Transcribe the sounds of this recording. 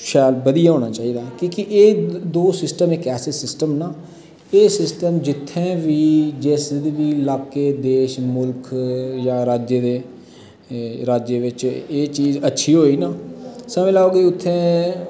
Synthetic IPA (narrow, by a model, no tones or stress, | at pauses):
ʃaːlbəd̪ijaːɦoːɽ̃aːt͡ʃaːiːd̪aːkiːkɪʔeːd̪oːsɪsʈəmeːkɛːsɪsɪsʈəmnaː | eːsɪsʈəmd͡ʒɪt̪ʰːẽːʋiːd͡ʒeːsd̪ʋiːlaːkːeːd̪eːʃmʊlkjãːɾaːd͡ʒeːd̪eː | ɾaːd͡ʒeːʋɪt͡ʃeːt͡ʃiːzətːʃʰiːɦoːiːnaːsəmɪlaːoːɡeːʊt̪ʰːẽː